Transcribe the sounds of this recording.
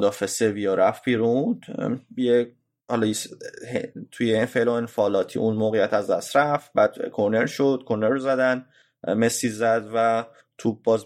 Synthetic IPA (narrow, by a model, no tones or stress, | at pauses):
d̪ɒːfe̞sevijɒɾæfb̥iːɾund̪̥je | hɒlɒjishet̪ʰujefeloenfɒːlɒːt̪ʰḭːʔunmoːɣejæt̪ʰæzd̪æst̪ɾæfbæːd̪̥kʰoɾne̞ɾʃod̪̥̚kʰoɾneɾozæd̪æn | mesiːzæd̪væ | t̪ʰub̚bɒːz